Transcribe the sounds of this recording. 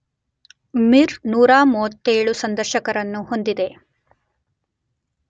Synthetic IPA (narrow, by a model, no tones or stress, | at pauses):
miɾnuːɾaːmuːʋɐt̪ːeːɭusɐnd̪ɐɾʃɐkɐɾɐnːuho̞nd̪id̪e̞